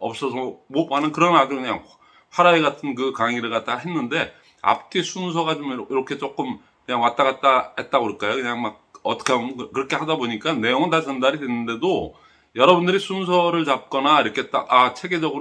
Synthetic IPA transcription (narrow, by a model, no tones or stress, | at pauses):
ʌp̚s͈ʌsʰʌmopanɯnkɯɾʌnadokɯɲaŋ | ɸwaɾaeɡatʰɯnk̬ɯkaŋiɾɯɭɡat͈aɦe̞nːɯnde̞ | a̰pʰɯ̥k͈ʰesʰuns̬ʰʌɡat͡ɕomiɾʌkʰe̞t͡ɕ͈ok͈ɯm | kɯɲaŋwat͈aɣat̚t͈ahe̞t̚t͈aɡoɯk͈ajokɯɲaŋmak̚ʌt͈ʌ̥kʰankɯɾʌkʰe̞hadaboɲik͈ane̞joŋɯntat͡ɕʌndaɾidwenːɯnde̞do | jʌɾʌbundɯɾisʰunsʰʌɾɯɭt͡ɕap̚k͈ʌnaiɾʌkʰe̞ɦet͈aʔat͡ɕʰe̞ɡe̞d͡ʑʌɡɯɾ